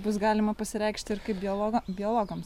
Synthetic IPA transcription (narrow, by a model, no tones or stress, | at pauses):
bʊsɡɑːlʲɪmɐpɐsʲɪɾʲɛɪkʃʲt̪ʲɪɪɾkɐɪp̚bʲɪolˠobʲɪoːlˠoːɡɐms